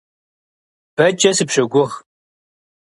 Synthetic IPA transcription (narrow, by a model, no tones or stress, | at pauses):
b̥ɐt͡ʃʼɐsɨpʂɐɡʷʊʁ